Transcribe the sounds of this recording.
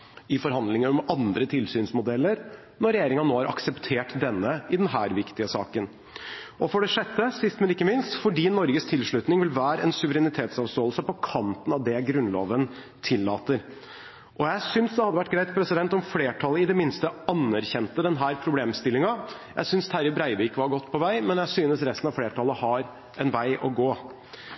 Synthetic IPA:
ɪfɔɾɦɑnd̪lɪŋəɾɔmɑnd̪ɾət̪ʰɪlsyːnsmʊd̪ɛlːəɾ | nɔɾɛjeːɾɪŋɑoːhɑɾʔɑ̰ksɛpt̪ʰeːʈd̪ɛnːəɪd̪ɛnɦæːɾʋɪkt̪ɪəsɑ̰ːkən | ʔɔfɔɖɛʂɛt̪ːəsɪst̪mɛnɪkːəmɪnst̪fɔɖiːnɔɾɡəst̪ʰɪlʂɭʉt̪nɪŋʋɪlʋæːɾəɛnsʉʋəɾɛnɪt̪ʰeːt̪sɑʋst̪oːlsəpɔkʰɑnt̪ənɑʋd̪ɛɡɾʉnlo̰ːʋən | t̪ʰɪlːɑ̰ːt̪əɾ | ʔɔjæɪsʏnsd̪ɛhɑd̪əʋæʈːɡɾæɪt̪pʰɾɛsɪd̪ɛnt̪ɔmfleːʈʰɑləɪd̪ɛmɪnst̪əɑnːæɾçɛnt̪əd̪ɛnɦæːɾpʰɾʊbleːmst̪ɪlːɪŋɑjæ̰ɪsʏnst̪ʰæɾɪbɾæɪʋikʋɑɾɡɔt̪ːpʰɔʋæɪmɛnjæɪsyːnəsɾɛst̪n̩ɑʋfleːʈʰɑlːˠəhɑɾ | ʔɛnʋæɪʔɔɡoː

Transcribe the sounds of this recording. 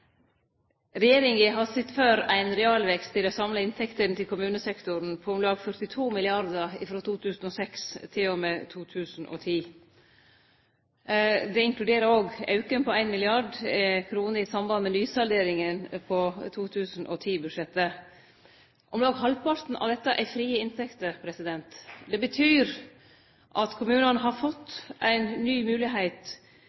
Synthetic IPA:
ɾɛjeːɾɪŋɪɦɑsɪt̪ːføːɾæɪnɾɛɑːlʋɛkst̪ʰːɪloːsɑmləɪnt̪ʰɛkt̪ənt̪ɪlkʰʊmʉːnəsɛkt̪ʊɾn̩pʰɔɔmlɑːɡfœɾt̪ɪt̪ʰuːmɪlɪɑɾd̪əɪfɾoːt̪ʰuːt̪ʰʉːsn̩ɔsɛkst̪ʰɪlɔmɛːt̪ʰuːt̪ʰʉːsn̩ʔɔ̰ːt̪ʰiː | d̪ɛɪŋklʉd̪eːɾəɾoːɡɑ̰ʉkənpɔæɪnmɪlɪɑɖkʰɾuːnəɾɪsɑmbɑnmɛnyːsɑld̪eːɾɪŋənpʰɔt̪ʰuːt̪ʰʉːsn̩ʔɔ̰t̪ʰiːbʉd̪ʂɛt̪ːə | ʔɔmlɑːɡɦɑlpɑɾt̪n̩ʔɑ̰ʋd̪ɛt̪ːəʔæfɾiːəɪnt̪ʰɛkt̪əpʰɾɛsɪd̪ɛnt̪d̪ɛbət̪ʰyːɾ | ʔɑt̪kʰʊmʉːnənəɦɑɾfɔt̪ːʔæɪnːyːmʉːlɪɦeɪt̪

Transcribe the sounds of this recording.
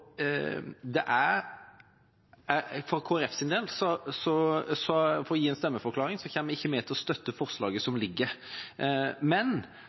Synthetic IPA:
d̪ɛʔæɾ | æfɔɾkʰoːæɾɛfsɪnd̪eːlsɔsɔsɔfɔɾɔjiːɛnst̪ɛmːəfɔɾklɑːɾɪŋsɔçeːnmɛɪçːəmɛt̪ʰɪlɔst̪œt̪ːəfɔɾslɑːɡəsɔmlɪɡːəɾ | mɛn

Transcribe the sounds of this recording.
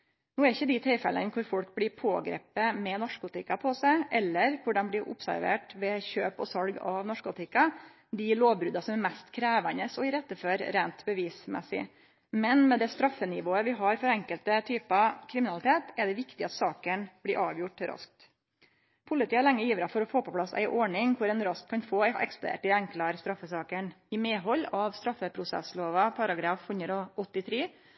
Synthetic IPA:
nuːɛɾɪçːəd̪ɪt̪ʰɪlfɛ̰lə̰nkʰʊɾfɔlk̚blɪːpʰoːɡɾḛːpəmɛnɔʂkʊt̪ʰɪkːɑpʰɔsæɪʔɛlːəɾkʰʊɖɛnblɪɾʔʊ̰psæ̰ɾʋḛːʈʋɛçøːpɔ̰sɑlɡɑʋnɔʂkʊt̪ʰɪkːɑ | d̪ɪloːʋbɾʉːd̪ɑsɔmmɛst̪kʰɾæːʋænəsɔɪɾɛt̪ːəføːɾɾeːnt̪bəʋiːsmɛ̰sɪ̰ | mɛnmɛd̪ɛst̪ɾɑfːənɪʋoːəʋɪɦɑɾfɔɾɛŋkəlt̪ət̪ʰyːpɑkʰɾɪmɪnɑlɪt̪ʰeːt̪ɛɖɛʋɪkt̪ɪɑt̪sɑːkənb̥lɪːʔɑːʋjʊʈɾɑ̰sk̚t̪ | pʰʊlɪt̪iːəlɛŋːəjiːʋəɾɑfɔɾɔfoːpɔpʰlɑsæ̰ɪʔɔɳɪŋkʰʊɾɛnɾɑskʰːɑnfoːɛ̰ksplʊd̪ḛːʈɪɛŋklɑɾst̪ɾɑfːəsɑːkəɳɪmeːɦɔlːɑʋst̪ɾɑfːəpʰɾʊsɛ̰sloːʋɑpʰɑɾɑɡɾɑːfhʉnd̪ɾɔʔɔt̪ːɪt̪ʰɾeː

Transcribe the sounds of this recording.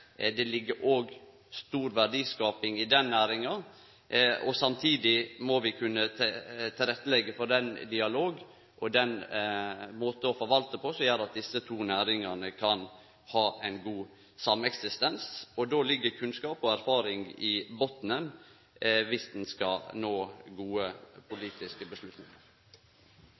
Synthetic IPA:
d̪ɛlɪɡːəɾʔoːɡ | st̪uːɾʋæɾɖiːskɑːpɪŋɪd̪ɛnːæːɾɪŋɑ | ʔɔsɑmt̪ʰiːd̪ɪmɔʋɪkʰʉnːət̪ʰt̪ʰɪlɾɛt̪ːəlɛɡːəfɔɾd̪ɛnd̪ɪɑloːɡ | ʔɔd̪ɛn | moːt̪ɔfɔɾʋɑlt̪əpʰɔsɔjæːɾɑt̪̚d̪ɪsət̪ʰuːnæːɾɪŋɑnəkʰɑn | hɑːʔɛɪnɡuː | sɑmɛksɪst̪ɛnsɔd̪oːlɪɡːəɾkʰʉnskɑːpɔæɾfɑːɾɪŋɪbɔt̪nən | ʋɪsd̪ɛnskɑnoːɡuːəpʰʊliːt̪ɪskəbəslʉt̪nɪŋəɾ

